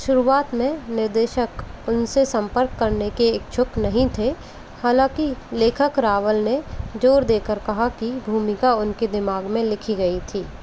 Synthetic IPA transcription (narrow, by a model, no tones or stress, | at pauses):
ʃʊɾuaːt̪mẽnɪɾd̪eːʃəkʊnsesɐ̃mpəɾkːɐɾnekeːk̚t͡ʃʰʊknɐɦĩt̪ʰe | haːlãːkileːkʰəkɾaːʋəlned͡ʒoːɾd̪eːkəɾkɐɦakibʱuːmɪkaʊnked̪ɪmaːɡmẽlɪkʰiɡɐit̪ʰiː